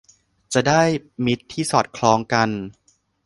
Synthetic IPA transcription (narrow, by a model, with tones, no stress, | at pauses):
t͡ɕa˨˩daː˥˩jmi˦˥t̪ʰːiː˥˩sɔː˨˩t̪̚kʰlɔː˧ŋka˧n